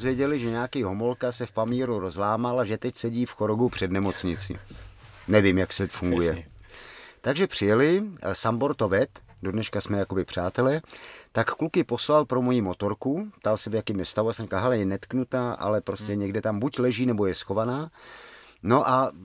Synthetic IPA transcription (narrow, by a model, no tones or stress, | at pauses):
zvjɛɟɛlɪʒɛɲaakiːɦo̞mo̞lkasɛfpamiːɾuɾo̞zlaːmalaʒɛt̪ɛcsɛɟiːfxo̞ɾoɡupr̝̥ɛdnɛmo̞t͡sɲɪt͡sɪ̰nɛvimjaksvʲɛt̪fuŋɡujɛ | t̪aɡʒɛpr̥ɪjɛlɪsambo̞ɾt̪ovɛt̪dodnɛʃkasmɛjako̞bɪpr̝̥aːt̪ɛlɛt̪akklukɪpo̞slalpɾo̞mo̞jiːmo̞t̪o̞ɾkupt̪alsɛvjakɛmjɛst̪avuasɛmrikalɦɛlɛjɛnɛt̪knut̪aːʔa̰lɛpɾo̞scɛɲɛɡdɛt̪ambuclɛʒiːnɛbo̞jɛsxo̞vanaː | no̞ʔa